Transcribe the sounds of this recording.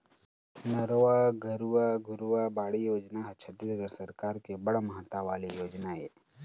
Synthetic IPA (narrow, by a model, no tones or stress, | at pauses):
nɐɾʋaɡʱəɾuwaɡʊɾuʋabaːɽijoːd͡ʒnaɦɐt͡ʃʰət̪ɾid̪əɡəɾsɐɾkaːɾkebɐɽmɐɦət̪aʋaːlijoːd͡ʒnaeː